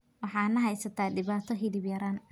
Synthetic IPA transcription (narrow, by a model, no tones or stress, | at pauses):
wɑħɑːnɐɦɛjsɐt̪ʰaːɖɪβaːt̪ʰɔɦɪlɪbjɐɾaːn